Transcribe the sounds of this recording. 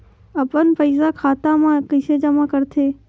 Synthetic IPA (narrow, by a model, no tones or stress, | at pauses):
əpənpəɪs̬akʰaːt̪amãkəsed͡ʒəmãːkəɾt̪ʰeː